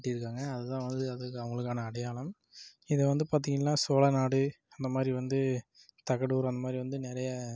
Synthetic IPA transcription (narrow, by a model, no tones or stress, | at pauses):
ʈːiɪɾɯkːaːŋɡɐːðɯt̪ãːʋɐnd̪ɯɐðɯɐʋɐŋɡɐɭɯkːaːnɐːɽɐjaːɭɐm | ɪðɛʋɐnd̪ɯpaːɾt̪̬iŋɡɐnːaːsoːlɐnaːɽɯ | ɐnd̪ɐmaːd̪ɾiʋɐnd̪ɯ | t̪ɐkːɐɽuːɾɐnd̪ɐmaːd̪ɾiʋɐnd̪ɯnɪɾɐjɐ